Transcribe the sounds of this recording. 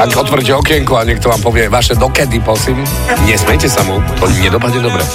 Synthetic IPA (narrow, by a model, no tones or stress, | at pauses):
akɔt̪ʋr̩c̬ɛɔkjɛŋkuaɲɛk̚t̪ɔʋaːmpɔʋɪɛʋaʃɛd̪ɔkɛd̪ipɔsim | ɲɛsmɛjcɛsamut̪ɔɲɛd̪ɔpad̪ɲɛd̪ɔbɾɛ̰